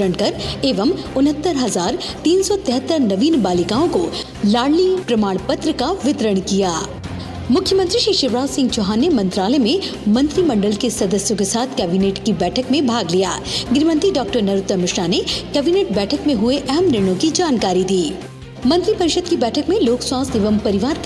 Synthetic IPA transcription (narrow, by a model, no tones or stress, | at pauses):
əɽkɐɾeːʋəm | ʊnɦət̪ːəɾɦɐzaːɾ | t̪iːnsɔt̪ɛːɦət̪ːəɾnɐʋiːnbaːlɪkaːõko | laːɽlipɾɐmaːɽ̃pət̪ɾəkaʋɪt̪ɾəɽ̃kijaː | mʊkʰjəmə̃nt̪ɾiʃiːʃɪʋɾaːsɪ̃ŋɡt͡ʃɔɦanːemɐ̃nt̪ɾaːlɛmẽmɐ̃nt̪ɾimɐ̃ɳɖəlkesɐd̪əsjõkesaːt̪ʰkɛːbineːʈkibɛːʈʰəkmẽbʱaːɡlijaːɡɪɾmə̃nt̪iɖaːk̚ʈəɾnɐɾʊt̪ːəmɪʃɾanekɛːbiːneːʈ̚bɛːʈʰəkmẽɦʊeʔɐɦəmɾɪɽ̃õkid͡ʒaːnkaːɾid̪iː | mɐ̃nt̪ɾipɐɾɪʃəd̪̚kibɛːʈʰəkmẽloːkswaːst̪ɪʋəmpɐɾɪʋaːɾ